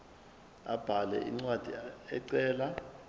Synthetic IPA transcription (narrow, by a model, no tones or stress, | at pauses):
ab̥ʱalɛ̰ʔḭŋ͡ǀwad̥ʱiɛǀɛːla